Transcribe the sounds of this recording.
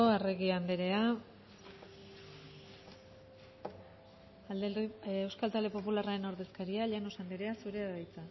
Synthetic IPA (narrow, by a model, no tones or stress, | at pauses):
oareɣiand̪eɾe̞a | ald̪eewskalt̪ald̪e̞po̞pularaɾe̞noɾðe̞skaɾiaʎanosand̪iɾe̞asuɾe̞aðajt͡sa